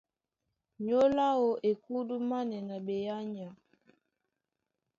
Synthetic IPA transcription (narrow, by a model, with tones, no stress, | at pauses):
ɲo˦la˦o˨ʔe˨ku˦du˦ma˦nɛ˨na˨ɓe˨ja˦ɲa˨